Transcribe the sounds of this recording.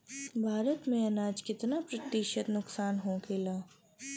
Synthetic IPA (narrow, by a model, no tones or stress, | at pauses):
bʱaːɾət̪mẽɐnaːd͡ʒkɪt̪napɾɐt̪ːiːʃət̪nʊksaːnɦõkeːlaː